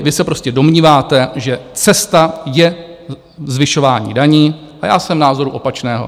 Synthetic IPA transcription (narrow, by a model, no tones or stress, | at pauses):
vɪsɛpɾo̞scɛdo̞mɲiːvaːt̪ɛʒɛt͡sɛst̪ajɛ | zvɪʃo̞vaːɲḭːdaɲiː | ʔajaːsɛmnaːzo̞ɾuʔo̞pat͡ʃnɛːɦo̰